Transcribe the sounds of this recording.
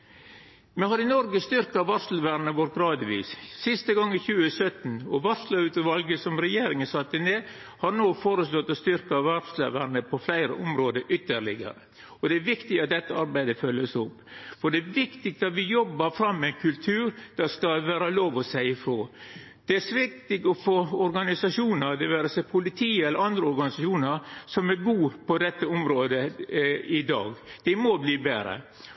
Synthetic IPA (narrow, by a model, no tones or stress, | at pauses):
mɛhɑɾɪnɔɾɡəst̪ʏɾkɑʋɑɾslʋæɾnəʋɔʈɡɾɑːd̪ʋḭːssɪst̪əɡɑŋːɪçʉːəsœt̪n̩ɔʋɑɾsləʉːt̪əʋɑlɡəsɔmɾɛjeːɾɪŋəsɑt̪ːɪneː | hɑɾnoːfoːɾəslɔt̪ːɔst̪ʏɾkɑɑʋɑɾslə̰ʋæɾnəpʰɔflæɪɾə̰ʔɔmɾoːd̪əʔʏt̪ːəɭɪɡə̰ɾə̰ | ɔd̪ɛæɾʋɪkt̪ɪɑt̪̚d̪ɛt̪ːəɑɾbæɪd̪əfœlːəsʊpː | fɔɖɛʋɪkt̪ɪk̚t̪ɑt̪ʋɪjɔbːəɾfɾɑmːɛɛɪnkʰʉlt̪ʰʉːɾd̪̥æskɑʋæːɾəloːʋɔsæɪɪfɾoː | d̪̥ɛæsʋɪk̚t̪ɪɡɔfoɔɾɡɑnɪsɑʂuːnəɾd̪ɛʋæːɾəsɛpʰʊlɪt̪ʰiːəɛlːəɾɑnd̪ɾəɔɾɡɑnɪsɑuːnəɾsɔmæɾɡuːpʰɔd̪ɛt̪ːəɔmɾoːd̪ə | ɪd̪ɑ̰ːɡd̪̥ɛmɔbliːbeːɾə̰